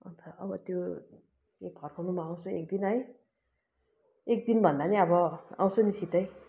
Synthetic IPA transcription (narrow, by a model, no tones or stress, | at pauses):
ʌnt̪ʰʌʌbʌt̪jo | ek̚ɡʱʌrkʰanumaãw̃soḛk̚d̪inɦʌj | ek̚d̪inbʱʌnd̪aniʌbʌã̰w̃sonisit̪ʌj